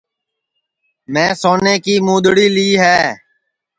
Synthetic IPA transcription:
mɛ̃ːsoːneːkiːmuːd̪ɽiːliːɦɛː

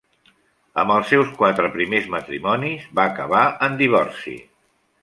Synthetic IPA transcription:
ə̰mbəlˠsɛwskwat̪ɾəpɾimezmət̪ɾimɔnizβaːkəβ̞aənd̪iβ̞ɔrsḭ

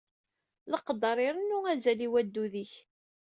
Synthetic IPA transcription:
ləqːəd̪ɑɾˤɪɾˤənːuæzæliwæd̪ːuðiç

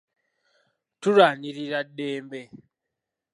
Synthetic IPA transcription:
tuɾaniɾiɾaɗeːmbe

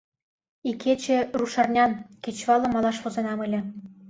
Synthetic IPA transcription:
ikʰet͡ɕĕruʃɑrnʲɑnkʲet͡ɕβɑlˠɤ̆mɑlˠɑʃβozenɑmɘ̆lʲĕ

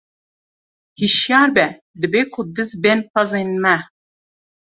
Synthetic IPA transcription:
hiʃjaɾbɛ | d̪ɨbekʰud̪ɨzbɛnpazenmæ

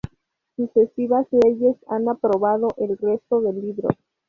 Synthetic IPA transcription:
susesiβasleʝe̞sanapɾo̞βað̞o̞ʔe̞lre̞st̪o̞ðe̞lːiβɾo̞̰

